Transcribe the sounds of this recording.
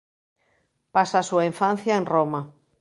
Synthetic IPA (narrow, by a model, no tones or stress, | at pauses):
pasasuaiɱfan̟θjaẽnroma